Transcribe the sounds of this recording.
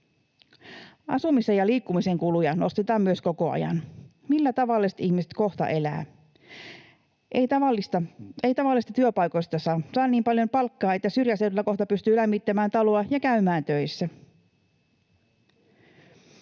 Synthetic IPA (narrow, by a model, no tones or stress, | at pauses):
ʔɑ̰sumisejɑliːkːumise̞ŋkulujɑno̞st̪et̪ɑːmyøsko̞ko̞ɑ̰jɑ̰n | milːæt̪ɑʋɑlːˑist̪ihmiset̪ko̞xt̪ɑ̰ʔe̞læ̰ː | ʔejt̪ɑʋɑlːist̪ɑejt̪ɑʋɑlːˑist̪ɑt̪yøpɑjko̞ist̪ɑsɑːsɑːnːiːmpɑljo̞mpɑlkːɑːe̞t̪ːæsyrjæsedylːæko̞ht̪ɑpyst̪yːlæmːit̪ːæmæːnt̪ɑloɑjɑkæymæːnt̪øjsːæ